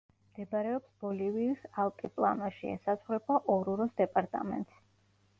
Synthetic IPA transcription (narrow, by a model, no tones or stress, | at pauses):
md̪̥ɛbaɾɛɔpsbɔliviːsalˠkʼipʼlˠa̰naʃiɛ̰sat̪sʰχɾɛbaʔɔɾuɾɔsd̪ɛpʼaɾt̪ʼa̰mɛ̰nt̪ʼs